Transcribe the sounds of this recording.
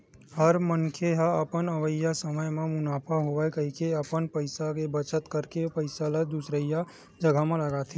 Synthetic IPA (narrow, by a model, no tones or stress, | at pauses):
həɾmənkʰeɦaəpənəʋəjasəməjmẽmʊnaːpʰaɦoʋakəɦikeəpənpəɪsakebət͡ʃət̪kəɾkepəɪsaləd̪usɾəja | d͡ʒəɡʱamẽləɡat̪ʰi